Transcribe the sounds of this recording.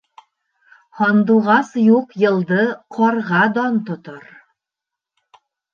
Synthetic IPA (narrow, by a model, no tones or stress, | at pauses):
hɒnd̪uʁɑsjuqjɤ̆lˠd̪ɤqʰɒɾʁɑd̪ɒnt̪ŏt̪ɤɾ